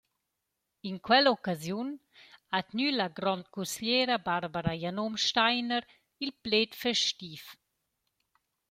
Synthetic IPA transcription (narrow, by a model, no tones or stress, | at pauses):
inkwɛlɔkazjun | at̪nylaɡɾɔnt̪̚kusljɛːɾabaɾbaɾajanomʃtajnəɾ | ilplet̪fɛʃtif